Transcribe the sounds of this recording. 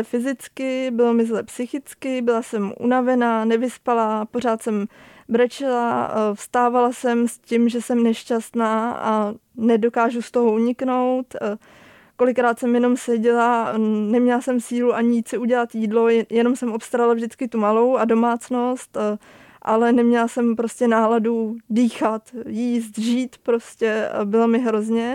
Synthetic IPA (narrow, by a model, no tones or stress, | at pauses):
ɛfɪzɪt͡skɪbɪlomɪzlɛpsɪxɪt͡skɪbɪlasɛmʔṵnavɛnaːnɛvɪspalapo̞ɾaːt̪sɛm | bɾɛt͡ʃɪlafst̪aːvalasɛmscɪmʒɛsɛmnɛʃcast̪naːa̰nɛdo̞kaːʒust̪o̞ɦoʔuɲɪkno̞wt̪ | ko̞lɪkɾaːt̪sɛmjɛno̞msɛɟɛlanɛmɲɛlasɛmsiːluʔaɲɪjiːt̪sɪuɟɛlat̪jiːdlo̞jɛno̞msɛmʔopst̪aɾalavʒdɪt͡skɪt̪umalo̞wado̞maːt͡sno̞st̪ | ʔa̰lɛnɛmɲɛlasɛmpɾo̞scɛnaːladudiːxat̪jiːst̪ʒiːt̪pɾo̞scɛbɪlomɪɦɾo̞zɲɛ